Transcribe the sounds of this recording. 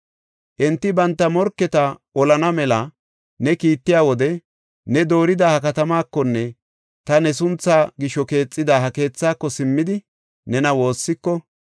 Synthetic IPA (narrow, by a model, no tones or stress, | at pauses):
ʔɛnt̪ːɪbɐnt̪ːɐmɔɾkːɛt̪ɐʔɔlɐnɐmɛlɐ | nɛkiːt̪ːɪjaːwɔd̪ɛ | nɛd̪o̞ːɾɪd̪aːhɐkɐt̪ɐmaːkːɔnːɛ | t̪ɐnɛsʊnt͡sːaːɡɪʃɔke̞ːt͡sʼːɪd̪aːhɐke̞ːt͡sːaːkːɔsɪmːɪd̪ɪ | nɛnɐwo̞ːsːɪkːɔ